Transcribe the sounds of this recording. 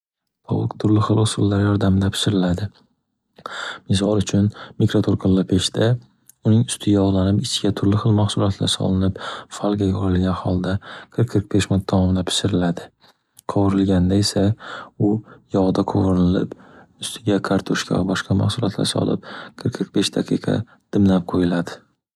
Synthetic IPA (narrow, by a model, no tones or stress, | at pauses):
ɒt̪ʰʊɾlɪχɨlˠʊsʊlˠːaɾjɒɾd̪amɪd̪apʰɪ̥ʃɪɾɪlad̪ɪ | mɪs̬ɒlˠʊt͡ʃʰʊnmɪkɾot̪ʰoɾqʰɨllɪpʰeʃd̪a | ʊnɪŋʊst̪ʰɪjaɒʁlˠanɪpɪt͡ʃʰɪɡʲat̪ʰʊɾlɪχɨlˠmaχsʊlˠɒt̪ʰla̰ɾsɒ̰lˠɪnɪpfalˠɡʲajɒlɪlˠɡʲanhɒlˠd̪aqʰɨɾqʰːɾq̚beʃmʊt̪ʰːɒmɒmɪd̪apʰɪ̥ʃɪɾɪlad̪ɪ | qʰowɾɪlɡʲand̪aesaʊjɒʁd̪aqʰowɾɪlɪ̰pʊst̪ʰɪɡʲakʰaɾt̪ʰoʃkʰʲa̰bɒʃqɑma̰χsʊlˠɒt̪la̰ɾsɒ̰lˠɪ̰p̚qʰɨɾqʰːɾq̚beʃd̪aqʰɨqʰɑ̰ | d̪̥ɪmlap̚qʰojɪlad̪ɪ